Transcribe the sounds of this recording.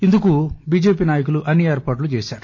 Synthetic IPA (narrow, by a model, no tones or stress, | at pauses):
ind̪ukubiːd͡ʒeːpiːnaːjɐk̬uluʔɐnːieːɾpaːʈ̬lut͡ʃeːsaːɾu